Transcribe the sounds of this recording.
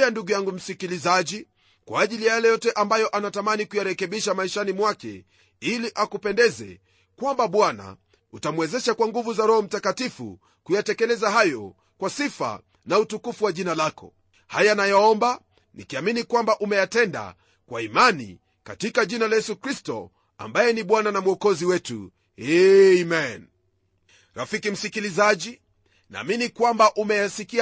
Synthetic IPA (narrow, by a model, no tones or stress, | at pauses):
anduɡujaŋɡum̩sikilizaʄi | kwaːʄilijajalɛjɔtɛʔambajɔʔanatamanikujaɾɛkɛɓiʃamaiʃanimwakɛ̰ | iliʔakupɛndɛzɛ̰ | kwambaɓwana̰ | utamuwɛzɛʃakwaŋɡuvuzaɾɔhɔm̩takatifṵ | kujatɛkɛlɛzaɦajɔ | kwasifa̰ | nautukufuwaʄinalakɔ̰ | hajanajaɔmba | nikiaminikwambaʔumɛjatɛnda̰ | kwaimanḭ | katikaʄinalajɛsukɾistɔ̰ | a̰mbajɛniɓwananamuɔkɔziwɛtṵ | ɛmɛn | ɾafikim̩sikilizaʄi | na̰ːminikwambaʔumɛjasikia